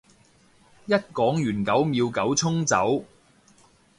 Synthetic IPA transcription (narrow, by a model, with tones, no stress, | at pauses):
jɐ˥t̚kɔː˨˥ŋjyː˨˩nkɐ˨˥wmiː˨˧wkɐ˨˥wt͡sʰʊ˥ŋt͡sɐ̰˨˥w